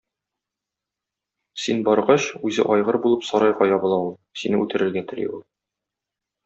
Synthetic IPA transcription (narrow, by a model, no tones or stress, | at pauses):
sinbɒɾʁɑɕʉzɘ̰ʔɒjʁɤɾbulˠɤpsɒɾɑjʁɑjɒbɤ̆lˠɑulˠsinɘʉt̪ɘ̆ɾɘ̆ɾɡæt̪ɵ̆lḭulˠ